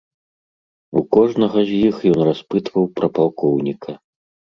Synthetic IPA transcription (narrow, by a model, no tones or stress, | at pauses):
ukɔʐnɐɣɐzʲjixjɔnraspɨt̪vɐwpɾɐpalˠkʰɔwnʲikʰɐ